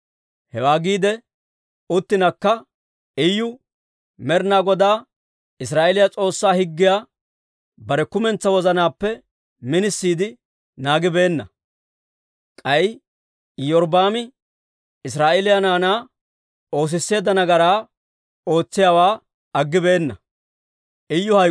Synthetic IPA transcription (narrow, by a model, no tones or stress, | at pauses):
hɛwaːɡiːd̪ɛ | ʊt̪ːɪnɐkːɐ | ɛjːʊ | mɛɾnaːɡɔd̪aː | ɪs̬ɾaːʔelɪjɐt͡sʼo̞ːsːaːhɪɡːɪjaː | bɐɾɛkʊmɛnt͡sːɐwɔzɐnaːpːɛ | mɪnɪsːiːd̪ɪ | naːɡɪbe̞ːnːɐ̰ | kʼɐj | jɔɾbaːmɪ | ɪs̬ɾaːʔelɪjɐnaːnaː | o̞ːs̬ɪsːe̞ːd̪ɐnɐɡɐɾaː | o̞ːt͡sːɪjawaː | ɐɡːɪbe̞ːnːɐ̰ | ʔɛjːʊhɐ